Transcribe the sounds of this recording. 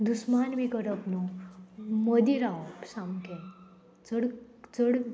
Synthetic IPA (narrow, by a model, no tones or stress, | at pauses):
d̪usmanʋikəɾəpnu | məd̪iɾaʋopsamkẽ | t͡səɽ | t͡səɽ